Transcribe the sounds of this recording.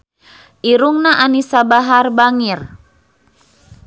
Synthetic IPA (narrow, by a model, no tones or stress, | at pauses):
ʔiɾuŋnaʔanisabaɦarbaŋir